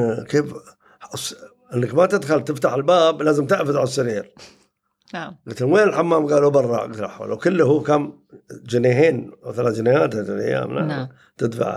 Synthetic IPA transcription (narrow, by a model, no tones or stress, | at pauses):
keːf | s | ʔɪnːakmat̪ɪd̪xalt̪ɪft̪aħɪlbaːblaːzɪmt̪ɪʔfɪðʕalɑsˤːɪɾiːɾ | ɡat̪ɪnweːnɪlħamːaːmɡaːlobɑrˤːɑ̰ʕɡɪt̪la̰ħa̰lwkɪlːhuːkam | d͡ʒɪneɦeːnaθalaːtd͡ʒɪnehaːt̪allʔa̰jːa̰ːmla̰ | t̪ɪd̪fa̰ʕ̰